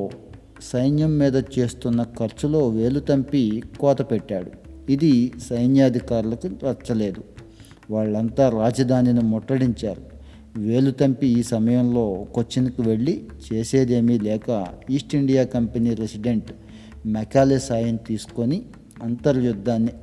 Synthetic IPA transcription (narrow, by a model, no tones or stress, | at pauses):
sɐjnjɐmːiːd̪ɐt͡ʃe̞ːst̪unːɐkɐɾt͡ʃulo̞ːʋe̞ːlut̪ɐmpikɔːt̪ɐpɛʈːaːɽuid̪isɐjnjaːɐd̪ʱikaːɾulɐkuʋɐt͡ʃːɐle̞ːd̪u | ʋaːɭːɐnt̪aːɾaːd͡ʒɐd̪ʱaːninimɔʈːɐɽiɲt͡ʃaːɾu | ʋe̞ːlut̪ɐmpiiːsɐmɐjɐmlo̞ːkot͡ʃːinikiʋe̞ɭːit͡ʃeːse̞ːd̪e̞ːmilɛːkɐiːsʈiɳɖijaːkɐmpeniːɾesiɖeɳʈ | mɛkaːleːsaːjɐnt̪iːsu̥ko̞ni | ɐnt̪ɐɾjud̪ʱːaːnːi